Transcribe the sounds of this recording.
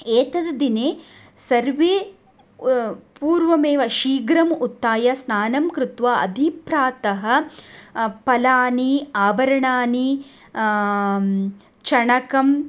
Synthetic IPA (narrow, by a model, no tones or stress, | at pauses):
eːt̪ɐd̪ɐd̪ineː | sɐɾʋeː | puːɾʋɐmeːʋɐʃiːɡɾɐmut̪ːaːjɐsnaːnɐmkɾut̪ʋaɐ̰d̪ʱipɾaːt̪ɐɦɐ̆ | pɐlaːniaːbɐɾɐɳaːni | t͡ʃɐɳɐkɐm